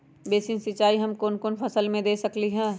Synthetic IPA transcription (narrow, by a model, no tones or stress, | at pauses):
beːsĩnsɪt͡ʃaːiɦɐmkoːnkoːnpʰɐsəlmẽd̪eːsɐkliɦɛ̃ː